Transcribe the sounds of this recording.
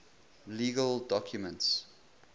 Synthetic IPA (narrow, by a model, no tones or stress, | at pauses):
liːɡəldɔkʰjumə̃nts